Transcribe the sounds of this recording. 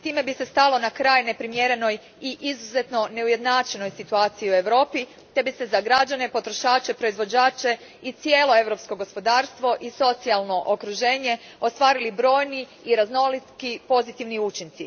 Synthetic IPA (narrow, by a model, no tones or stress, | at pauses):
t̪iːme̞bise̞st̪alo̞nakɾaːjne̞pɾimjeɾe̞no̞j | iʔizuze̞t̪no̞ne̞uje̞d̪naːt͡ʃe̞no̞jsit̪uaːt̪sijiue̞ʋɾo̞ːpi | t̪e̞bise̞zaɡɾad͡ʒanepo̞t̪ɾo̞ʃaːt͡ʃe̞pɾo̞izʋo̞d͡ʑaːt͡ʃe̞ | it̪sije̞ːlo̞e̞ʋɾo̞psko̞ɡo̞spo̞d̪aːɾst̪ʋo̞ʔiso̞t̪sialˠno̞ʔokɾuʒe̞ːɲe̞ | o̞st̪ʋaːɾilibɾo̞ːjniː | ɾazno̞lit̪kipo̞zit̪iʋniut͡ʃint̪si